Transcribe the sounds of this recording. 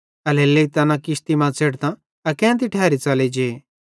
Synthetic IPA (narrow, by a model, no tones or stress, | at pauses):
ɐlelːeit̪ɐnãkɪʃt̪imãt͡sʰeːɽt̪ã | ɐkɛ̃ːnt̪iʈʰɛːɾit͡sɐled͡ʒeː